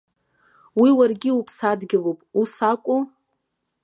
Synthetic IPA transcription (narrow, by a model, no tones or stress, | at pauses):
wiwarɡʲɪupʰsadɡʲɪlopʼusakʷʼu